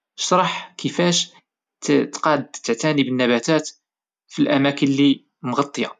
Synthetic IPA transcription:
ʃɾˤɑħkʰəfæʃ | t̪qɑd̪t̪ːəʕt̪ænibənːæbæt̪æt̪ | filʔæmækənli | mɣɑt̪ˤːəjɑ

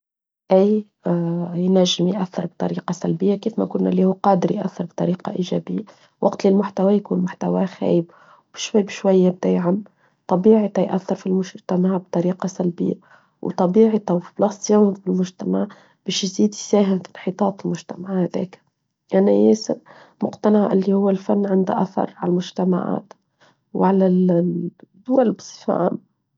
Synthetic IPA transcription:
ʔæj | jnæʒːɪmjʔæθːɑɾˤb̚t̪ˤɑ̰ɾiːqɑsælbɪjːakiːfmækʊnːæ̰lihuːqɑːd̪əɾjʔæ̰θːɑɾˤbt̪ˤɑɾiːqɑʔiʒæ̰bɪjːa | wʔɑɡt̪lɪlmʊħt̪awæjkuːnmʊħt̪awæxæ̰ːjəb | bʃwæbʃwæjːɪb̚d̪æjʕamː | t̪ˤɑbiːʕt̪æjʔæθːɑɾfilmʊʃt̪amaʕb̚t̪ˤɑɾiːqɑsælbɪ̰jːa | wt̪ˤɑbiːʕit̪awfi̥blɑsˤjafɪlmʊʒt̪amaʕ | b̥eːʃjziːd̪isæːɦɪmfi̥nħiːt̪ˤɑːt̪ˤɪlmʊʒt̪amaʕhad̪ḛːk | ʔanajeːsɪɾ | mʊqt̪anaʕʔɪlːihʊwːalfanːʕɪnd̪a̰ʔaθɑ̰ɾˤʕallmʊʒt̪ama̰ʕa̰ːt̪ | wʕala | d̪ʊwalbɨ̥sˤɨ̥fa̰ʔm

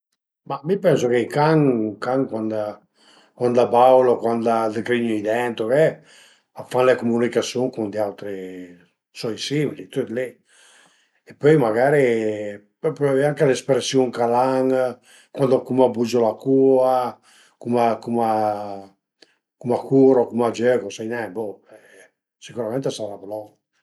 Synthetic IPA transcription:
mamipɛnsokeikaŋkaŋkwand̪a | kwand̪abawlokwand̪ad̪ekɾiɲoid̪ɛnt̪okɛ | afanlekumunikasjuŋkund̪iawt̪ɾe | sɔjsimilit̪ut̪le | epøjmaɡaːɾe | pɔpaveaŋkelespɾesjuŋkalaŋ | kwand̪okumabud͡ʒolakua | kumakuma | kumakʰuɾokumad͡ʒøkosajnɛmbɔɛ | sikuɾamɛ̃nt̪esaɾaplɔ

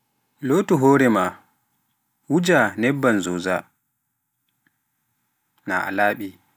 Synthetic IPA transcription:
lotuɦɔːɾɛma | wud͡ʒanɛbːanzoza̰ | na̰ʔa̰laːɓi

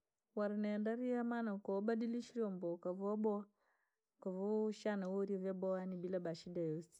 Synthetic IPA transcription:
waɾinɛndaɾiamanakɔbadiliʃiɾɔmbɔkavɔbɔa | kavɔuʃanawoɾiavjabɔwanibilabaʃidajosi̥

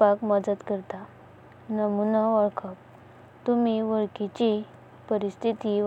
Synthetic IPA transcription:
akməd͡zət̪kəɾt̪a | nəmunaʋəɭkʰəp̚ | t̪umiʋəɭkit͡ɕi | pəɾist̪ʰit̪iʋ

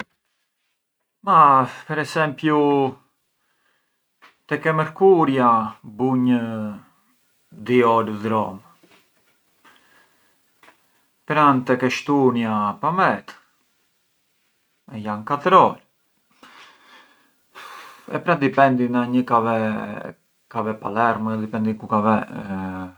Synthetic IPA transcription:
mapɛɾɛsɛmpju | t̪ɛkɛməɾkuɾjabuɲə | d̪iɔlðɾɔm | pɾant̪ɛkɛʃt̪unjapamɛt̪ | ɛjankat̪ɾɔl | ɛ̰pɾad̪ipɛnd̪inaɲəkavɛ | kavɛpa̰lɛɾməd̪ipɛnd̪ikukavɛ

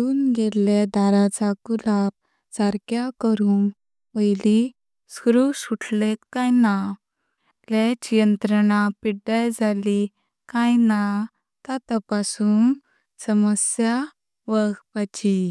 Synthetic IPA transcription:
uːnɡeled̪aɾat͡sakulap̚ | saɾkjakəɾuŋ | pəjli | skɾusuʈʰlet̪kajna | let͡ɕijənt̪ɾəɳ̃apiɖajd͡zali | kajna | t̪at̪apasuːn | səməsja | ʋəɡpat͡ɕi

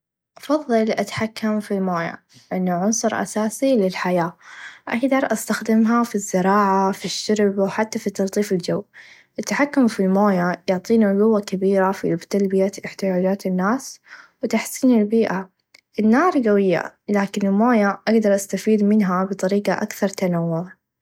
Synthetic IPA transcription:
ʔɑfɑðˤːɨlʔat̪ḁħakːamfilmoːja̰ | ʔɪnːaʕʊnsˤʊɾʔa̰saːsilɪlħajaːʔaɡd̪ɑɾˤʔast̪axd̪ɪmɦafizːɪɾɑːʕafiʃːʊɾbwħat̪ːafit̪ːɑlt̪ˤiːfɪld͡ʒawː | ʔɪt̪ːaħakːʊmfilmoːjajʊʕt̪ˤiːnaɡʊwːakabiːɾafit̪albɪjaʔɪħt̪ɪjaːd͡ʒaːt̪ɪnːaːswɪt̪aħsiːnɪlbiːʔa | ʔɪnːɑːɾˤɡawɪjːa̰laːkɪnɪlmoːjaʔaɡd̪ɑɾˤʔast̪afiːd̪mɪnɦabɨt̪ˤɑɾiːqaʔakθɑɾˤt̪anawːʊðɑ

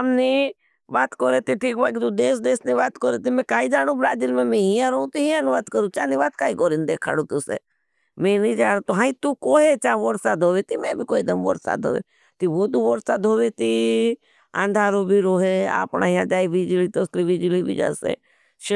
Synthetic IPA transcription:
əmni | ʋaːt̪koɾet̪iʈʰiːkbak̬it̪ud̪eːs̬d̪eːsniʋaːt̪koɾet̪imẽkaːid͡ʒaːɽ̃ũbɾaːd͡ʒilmẽmẽɦiãɾoũt̪iɦĩãnuʋaːt̪kəɾũt͡ʃaːniʋaːt̪kaːikoːɾind̪eːkʰa̰ːɽũt̪usḛ | mẽnĩd͡ʒaːɽ̃õt̪uɦãːĩt̪ukoːɦet͡ʃaːʋoɾsad̪ʱoːʋet̪imẽbʱikoːed̪əmʋɔ̰ɾsa̰ːd̪ʱo̰ːʋḛ | t̪iʋot̪uʋoɾsaːd̪ʱoːʋet̪i | ã̰nd̪ʱaːɾobʱiɾoːɦea̰ːpɳa̰ːɦiãd͡ʒaːiʋid͡ʒlit̪osɾiʋid͡ʒlibʱḭd͡ʒa̰sḛ | ʃ

